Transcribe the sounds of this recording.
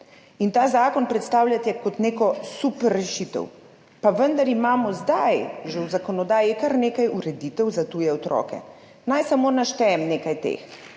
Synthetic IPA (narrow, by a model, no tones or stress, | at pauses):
int̪aːzaːkɔnpɾɛt̪st̪aːwlʲat̪jɛkɔt̪neːkɔsupɛrːɛʃit̪ɛ̰w | paʋənd̪aɾimaːmɔzd̪ajʒɛwzakɔnɔd̪aːjikaɾneːkajuɾɛd̪it̪ɛwzat̪uːjɛɔt̪ɾɔ̰ːkɛ̰ | najsamoːnaʃt̪ɛjɛmneːkajt̪ḛːx